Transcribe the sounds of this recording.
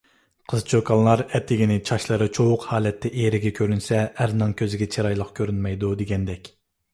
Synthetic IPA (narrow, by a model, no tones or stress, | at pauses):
qʰəzt͡ʃʰøkʰɑnˠlˠɑɾɛt̪ʰːɪɡʲinɪt͡ʃʰɑʃlˠɨɾɨt͡ʃʰowʊqhɑːlɛt̪ʰːɛʔeɾɪɡʲɛkʲʰøɾynsɛæɾnɨŋkʲʰøzɪɡʲɛt͡ʃʰeɾɑjlˠəqkʲʰøɾynmɛjd̪ud̪eɡʲɛnd̪ɛkʲ